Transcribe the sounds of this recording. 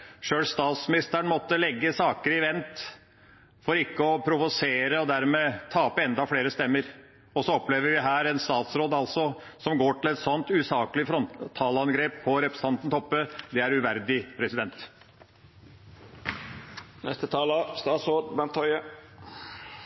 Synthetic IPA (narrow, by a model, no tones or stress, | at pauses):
ʂøːlst̪ɑːt̪smɪnɪst̪əɾəɳmɔt̪ːəlɛɡːəsɑːkəɾɪʋɛnt̪ | fɔɾɪkːəɔpʰɾʊʋʊseːɾəɔd̪æɾmɛt̪ʰɑːpːɛnd̪ɑfleːɾəst̪ɛmːəɾ | ɔsɔɔpleːʋəɾʋɪɦæːɾɛnst̪ɑːt̪sɾoːd̪ɑlsɔ | sɔmɡoːʈɪlɛt̪sɔnt̪ʉːsɑːkəlɪəfɾɔnt̪ʰːɑːlɑnɡɾeːpʰːɔɾɛpɾəsəɑnt̪ən̩t̪ʰɔpːəd̪ɛæɾʉʋæɾd̪ɪpʰɾɛsɪd̪ɛnt̪ | nɛ̰st̪ət̪ʰɑːləst̪ɑːt̪sod̪bɛnt̪ʰːɔʏə